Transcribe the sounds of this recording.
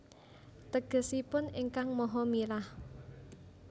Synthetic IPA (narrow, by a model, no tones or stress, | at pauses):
t̪əɡ̥ə̤sipʊnɪŋkaŋmɔɦɔmilah